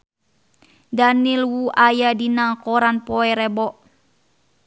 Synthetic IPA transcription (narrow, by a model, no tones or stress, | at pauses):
danilwuʔajadinaŋkɔɾanpɔɛɾɛbɔʔ